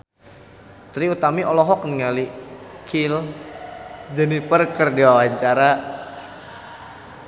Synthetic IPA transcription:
t̪ɾiut̪amiʔɔlɔɦɔk̚niŋalikʰil | d͡ʒənipərkərdiwawaɲt͡ʃaɾa

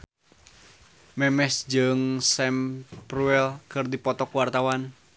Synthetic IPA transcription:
mɛmɛsd͡ʒɨŋsɛmpruɛlkɨrdipɔt̪ɔkuwart̪awan

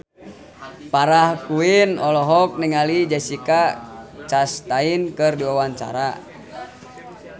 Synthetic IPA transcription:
paɾahkuinɔlɔɦɔk̚niŋalid͡ʒɛsikat͡ʃast̪ainkɨrduwawant͡ʃa̰ɾa

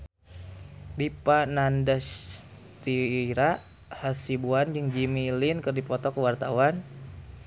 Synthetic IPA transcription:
bipanandas | t̪iɾa | hasibuand͡ʒɨŋd͡ʒimilinkərdipɔt̪ɔkəwart̪awan

